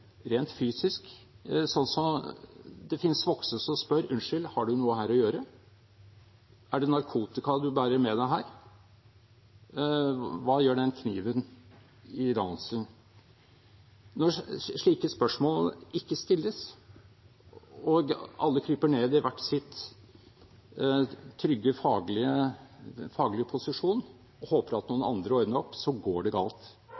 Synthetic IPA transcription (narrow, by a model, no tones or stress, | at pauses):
ɾeːnt̪fyːsɪsk | sɔnːsɔm | d̪ɛfɪnsʋɔksəsɔmspœɾʉnʂʏlhɑɖʉnuːəhæːɾɔjøːɾə | æɖɛnɑɾkʰuːt̪ɪkɑd̪ʉbæːɾəɾmɛd̪æɪɦæːɾ | ʋɑːjøːɖɛnkʰniːʋən | ɪd̪ɑnsln | nɔʂɭiːkəspœʂmoːlɪkːəst̪ɪlːəs | ɔɡɑ̰lːəkʰɾyːpəɳeːd̪ɪʋæʈːsɪt̪ | t̪ʰɾʏɡːəfɑːɡlɪə | fɑːɡlɪəpʰʊsɪʂuːn | ɔhoːpəɾɑt̪nuːənɑ̰nd̪ɾəɔɾd̪nəɾɔpsɔɡoːɖɛɡɑ̰ːlt̪